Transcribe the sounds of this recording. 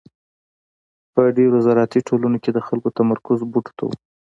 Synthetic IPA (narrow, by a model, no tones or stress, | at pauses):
pəɖeɾazɑɾɑt̪iʈʰolunoked̪əxalkot̪amaɾkʊzbuʈo̥t̪ʰa̰wṵ